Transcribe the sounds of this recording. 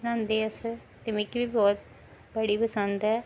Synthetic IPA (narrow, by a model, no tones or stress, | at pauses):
nãːnd̪eːəs | t̪ɪmɪkibiːbɔːt̪̚ | bəɽiːpəsənd̪ɦɛː